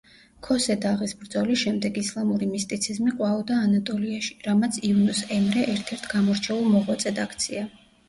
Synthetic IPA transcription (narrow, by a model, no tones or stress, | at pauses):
kʰɔsɛd̪aʁisbɾd̪zɔliʃɛmd̪ɛɡislˠamuɾimist̪ʼit̪sʰizmiqʼwaɔd̪aːnat̪ʼɔliaʃi̥ɾamat̪sʰiunusɛmɾɛʔɛɾt̪ʰɛɾt̪ʰɡamɔɾt͡ʃʰɛulˠmɔʁwat̪sʼɛd̪akʰt̪sʰia